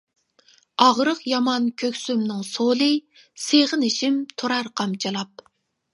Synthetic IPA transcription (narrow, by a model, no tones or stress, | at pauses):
ɑʁɾəqjɑmɑnkʲʰøkʲsymnɪŋsolˠɨ | seʁɨnɪʃimt̪ʰoɾɑɾqʰɑmt͡ʃʰɨlˠɑp̚